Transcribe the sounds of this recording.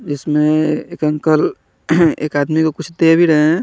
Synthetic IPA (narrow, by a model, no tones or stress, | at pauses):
d͡ʒɪsmẽeːkə̃ŋkəl | ḛːkaːd̪mikokʊt͡ʃʰd̪ebʱiɾəɦẽ